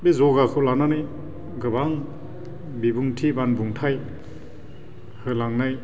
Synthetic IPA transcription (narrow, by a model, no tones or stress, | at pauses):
bizɔɡakʰɯwlananɯj | ɡɯbaŋ | bibuŋtʰibanbuŋtʰaj | hɯlaŋnaj